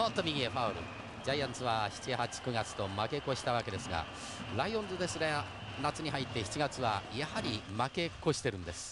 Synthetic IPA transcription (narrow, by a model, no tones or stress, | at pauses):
õnt̪omʲiɡʲieɸaoɾɯ̰ | d͡ʑajãñsɨβaçi̥t͡ɕihat͡ɕi̥kɯ̟ɡat͡sɨ̥t̪o̞make̞ko̞ɕi̥t̪aβake̞d̪e̞sɨɡa̰ | ɾaiond̪od̪e̞sɨɾe | nat͡sɨɲ̟iɦait̪ːe̞çi̥t͡ɕiɡat͡sɨβajahaɾʲimake̞ko̞ɕi̥t̪e̞ɾɯ̟̃nd̪e̞sɨ̥